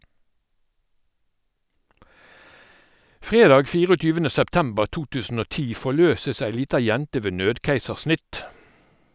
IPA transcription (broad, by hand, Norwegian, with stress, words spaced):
ˈfʁeːdɑːɡ ˈfiːʁɔˌtyːʋənə sɛpˈtɛmbəʁ ˈtuː ˈtʉːsn̩ ˈoː ˈtiː fɔˈløːsəs ˈæɪ ˈliːtɑ ˈjɛntə ˈʋeː ˈnøːdkæɪsəʁˌsnɪt